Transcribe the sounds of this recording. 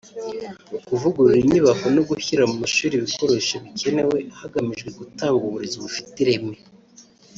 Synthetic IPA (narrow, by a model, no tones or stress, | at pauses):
kuvuɡuɾuɾiɲiβakonoɡuçiɾamumaʃuːɾiβiko̞ɾeʃaβike̞ne̞we̞haɡamiʒɡweɡutaːŋɡuβuɾeziβufi̥tiɾe̞me